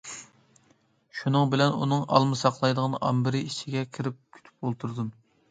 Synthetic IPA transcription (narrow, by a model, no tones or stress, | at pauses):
ʃunɨŋbɪlɛnṵnɨŋɑ̰lˠmɨsɑqlˠɑjd̪əʁnʔɑmbɪɾɪit͡ʃʰiɡʲɛkʲʰiɾɪp̚kʲʰy̥t̪ʰy̥p̚olˠt̪ʰuɾd̪um